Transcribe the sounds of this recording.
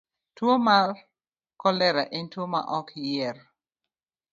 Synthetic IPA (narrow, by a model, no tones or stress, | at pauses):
twomal | kɔlɛɾaʔintwoma̰ʔɔkjɛr